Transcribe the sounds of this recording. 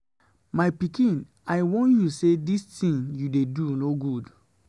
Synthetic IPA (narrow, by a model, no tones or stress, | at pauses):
maɪpikĩn | aɪwɔ̃njusedistĩnjudedunoɡud